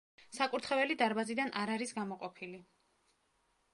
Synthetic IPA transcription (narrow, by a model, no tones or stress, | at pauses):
sakʼuɾt̪ʰχɛvɛlid̪aɾbazid̪anʔaɾaɾisɡamɔqʼɔpʰili